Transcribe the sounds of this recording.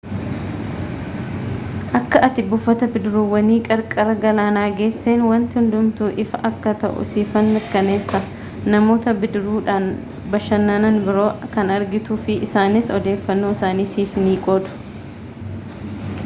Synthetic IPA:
ʔɐkːɐʔɐt̪ɪbʊfːɐt̪ɐbɪd̪ɾuːwɐniːkʼɐɾkʼɐɾɐɡɐlaːnaːɡe̞ːsːeːnwɐnt̪ɪhʊnd̪ʊmt̪uːʔɪfɐʔɐkːɐt̪ɐ̰ʔʊ̰siːfɐnːɐkːɐne̞ːsːɐ | nɐmo̞ːt̪ɐbɪd̪ɾuːᶑaːn | bɐʃːɐnːanɐnbɪɾo̞ːkɐnɐɾɡɪt̪uːfɪʔɪsaːnɪsɔd̪e̞ːfːɐnːoːɪsaːniːsiːfniːkʼɔːd̪ʊ̥

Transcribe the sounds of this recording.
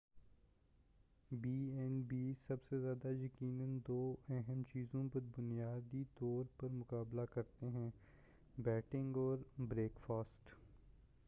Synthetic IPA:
biːɛnbiːsɐbsezjaːd̪ajɐkiːnənd̪oːɛɦɛmt͡ʃiːzõpɐɾbʊnijaːd̪it̪ɔːɾpɐɾmʊkaːblakɐɾt̪eɦɛ̃ː | bɛːʈɪ̃ŋɡɔːɾbɾeːkfaːsʈ

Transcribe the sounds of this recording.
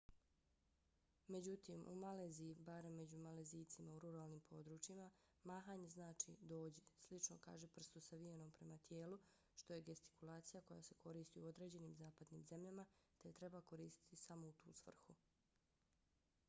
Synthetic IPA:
me̞d͡ʑut̪imṵmaleːziibaɾemːe̞d͡ʑumaleziːt̪simauɾuɾaːlˠniːmpʰo̞d̪ɾuːt͡ʃima | maːxaːɲe̞znaːt͡ʃid̪o̞ːd͡ʑe̞slit͡ʃno̞̰ka̰ːʒepr̩st̪usaʋieno̞ːmpɾe̞mat̪jeːlu | ʃt̪o̞jeɡest̪i̥kulˠaːt̪sijako̞ja̰se̞kʰo̞ɾiːst̪iuo̞d̪ɾe̞ːd͡ʑe̞niːmzaːpad̪nḭːmze̞mʎamat̪e̞t̪ɾe̞bako̞ɾiːst̪i̥t̪isamo̞ut̪uːsʋr̩xu

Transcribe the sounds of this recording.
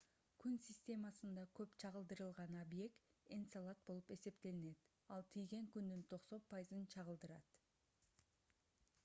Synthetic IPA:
kynsʲɪsʲtʲe̞mɑsɯnd̪ɑkʰøpt͡ʃʰɑʁəlˠd̪ɯɾɯlˠʁɑnobje̞kt̪ | ensalˠat̪̚bo̞lˠupe̞se̞pt̪e̞line̞t̪ | ɑlˠt̪ʰijɡe̞ŋkynd̪ynt̪ʰo̞qso̞npʰajɨzɯnt͡ʃʰɑʁəlˠd̪ɯɾɑ̰t̪

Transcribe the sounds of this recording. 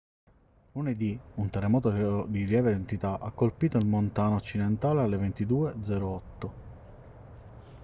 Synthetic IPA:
luned̪iunt̪ɛrːemɔːt̪od̪iljɛːved̪ent̪it̪aʔakːolpiːt̪oilmont̪aːnoːt͡ʃːid̪ent̪aːlealːevent̪id̪uːed̪zɛːɾoɔt̪ːo

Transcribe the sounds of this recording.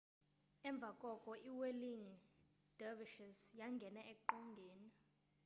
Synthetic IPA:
ɛɱb̪vʱakʼɔkʼɔʔiweliŋ | d̥ɛviʃɛsjaŋɡʱɛnaek̚ʼuǃɔŋɡʱɛːna

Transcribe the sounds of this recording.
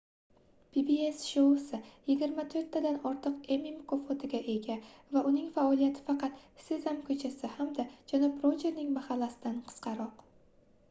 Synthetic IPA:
pibiesʃosɪjɪɡʲɪɾmat̪ʰɵɾt̪ʰːad̪anɒɾt̪ʰɨqe̞mimkʰofot̪ʰɪɡʲaʔe̞ɡʲavaʔʊnɪŋfaɒlˠijat̪ʰɪ̥fɑqɑt̪sɪzamkʰɵt͡ʃʰasɪhamd̪ad͡ʒanɒbɾod͡ʒe̞ɾnɪŋmahalːasɪd̪anqʰɨ̥sqʰɑɾɒq

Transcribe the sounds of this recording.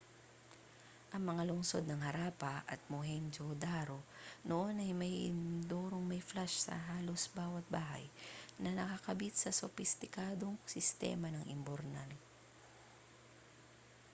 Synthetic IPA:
ʔɐŋmɐŋalʊŋso̞̰d̪̚nɐŋhɐɾaːpɐʔɐt̪̚moɦɛmd͡ʒod̪aɾo̞noʔonɐjmɐjɪ̰nd̪oːɾoŋmɐjflaʃsɐ̰ɦaːlo̞sbaːwɐt̪̚baːɦɐ̰jnɐnɐkɐkɐbit̪̚sɐsʊfɪst̪ɪkaːd̪o̞ŋsɪst̪ɛ̰ːmɐnɐŋʔɪ̰mboɾnal

